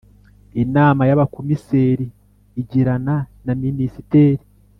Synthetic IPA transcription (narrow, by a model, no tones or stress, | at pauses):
inaːmajaβakomiseːɾiː | ɟiɾananaminisite̞ːɾi